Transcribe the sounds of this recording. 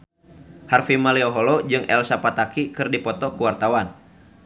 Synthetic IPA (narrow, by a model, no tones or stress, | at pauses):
harfimalɛɔɦolɔd͡ʒɨŋɛ̰lsapat̪akikɨrdipɔt̪ɔkuwart̪awan